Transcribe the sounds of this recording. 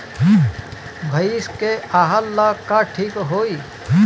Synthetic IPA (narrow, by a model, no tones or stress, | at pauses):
bʱɐiskeaːɦalːakaʈʰiːkɦoːi